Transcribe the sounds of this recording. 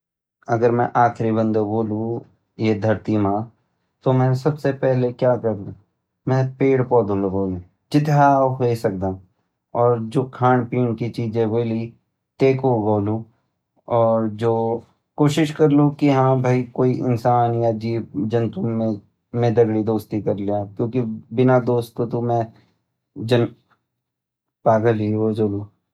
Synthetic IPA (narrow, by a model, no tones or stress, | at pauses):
ɐɡəɾmɛ̰̃ʔaːkʰɾibə̃nd̪oboːlũ | jed̪ʱɐɾt̪imãː | t̪omɛ̃ːsɐbsepɛɦlekjaːkɐɾu | mɛ̃ːpeːɽpɔːd̪olɐɡoːle | d͡ʒɪt̪aɦesɐk̚d̪ãː | ɔːɾd͡ʒoːkʰaːɳpiːɳkit͡ʃiːd͡ʒẽboːli | t̪eːkoɡoːlũ | ɔːɾd͡ʒoː | koːʃɪʃkɐɾlokiɦãːbʱaikoːiʔɪ̰nsaːnjad͡ʒiːpd͡ʒɐnt̪ʊmːẽ | mẽd̪ɐɡɽid̪oːst̪ikɐɾliakjõːkibɪnad̪oːst̪̚kot̪omɛ̃ | d͡ʒɐn | paːɡəlioːd͡ʒoːloː